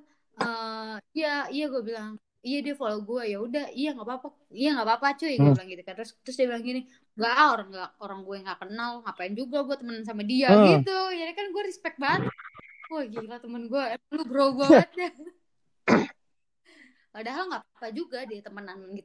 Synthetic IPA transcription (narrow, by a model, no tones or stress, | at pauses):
əijaijaɡuabilaŋ | ijadiafaloɡuajaudahijaŋɡapapa | ijaŋapapat͡ʃujaɡuabilaŋɡit̪ukant̪ʊst̪ɾʊsdiabilaŋɡini | ɡaʔoɾaŋɡaʔoɾaŋɡuaaŋɡakənalŋapaɪnd͡ʒuɡaɡuat̪əmənans̬amadiaɡit̪ujadakanɡuaɾispɛk̚baət̪̚uaɡilat̪əmənɡuaəluɡɾoɡuaat̪̚d͡ʒa | kadaɦalŋɡaʔpapad͡ʒuɡadiat̪əmənanɡit̪̚